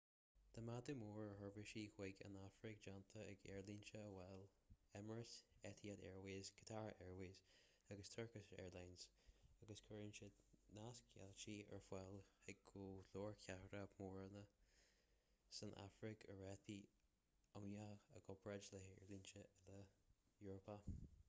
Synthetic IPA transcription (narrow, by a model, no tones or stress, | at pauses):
d̪̥əmad̪əmuːɹəɦəɹvɪʃiːhwɛɡə̰nafɾɪk̚d͡ʒant̪ʰəɛɡɛɹlinʃəəwɛl | ɛməɹəsɛt̪ʰiatɛ̰ɹwiːzkʰə̥t̪ʰaɹɛɹwiːz | aɡəst̪ʰəɹkəsɛ̰ːɹlajnz̥ | aɡəskʰəɹinʃənaskʰɛ̰lt͡ʃiːə̰ɹfwɛlhɛɡuːlɔːɹkʰahəɾəmɔːɹənə | sənʔa̰fɹɪkʰəɹɛθi | amjaəɡɔbɹɛd͡ʒləɛɹlint͡ʃələ | juːɹəpa